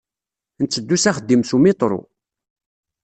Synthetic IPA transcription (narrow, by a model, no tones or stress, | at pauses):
nt͡sːəd̪ːusæχəd̪ːimsumit̪ˤɾˤo̰